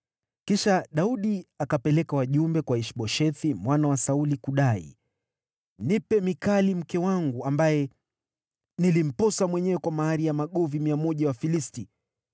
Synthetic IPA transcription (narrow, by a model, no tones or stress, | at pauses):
kiʃaɗauɗiakapɛlɛkawaʄumbɛkwaiʃɓɔʃɛθimwanawasaulikuɗaḭ | nipɛmikalim̩kɛwaŋɡuambajɛ | nilim̩pɔsamwɛɲɛwɛkwamahaɾijamaɠɔvimiamɔʄawafilisti